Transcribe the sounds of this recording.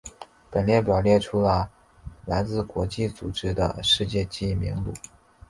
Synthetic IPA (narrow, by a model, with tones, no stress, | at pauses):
pə˨˩nljɛ˥˩npjɑ˨˩ʊljɛ˥˩ʈ͡ʂʰu˥lə˧ | la˧˥ɪt͡sɹ̩˥˧kwɔ˧˥t͡ɕi˥˩t͡su˨˩ʈ͡ʂɻ̩˥d̪ə̰˨ʂɻ̩˥˧t͡ɕjɛ˥˧t͡ɕi˥˩˥mḭ˧˥ŋlṵ˨˩˦